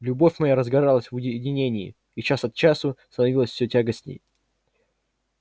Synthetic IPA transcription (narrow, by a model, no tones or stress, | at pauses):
lʲʊbo̞fʲmɐjaɾəzɡɐɾalˠəsʲvʊjʲɪdʲɪnʲenʲɪɪ̰ | it͡ɕasɐt̪t͡ɕasʊst̪ənɐvʲilˠəsʲfsʲɵtʲaɡəsʲnʲɪ̰j